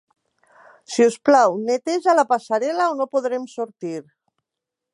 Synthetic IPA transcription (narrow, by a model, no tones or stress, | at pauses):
siusplawnet̪eʒalapasaɾɛlaonopoðɾemsuɾt̪iɾ